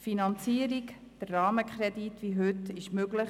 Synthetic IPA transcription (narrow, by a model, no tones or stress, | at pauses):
finɑnt͡siːəɾik | d̥ərːɑːməkʰχɾɛditʋiɦʉtɪʃmøɡləχ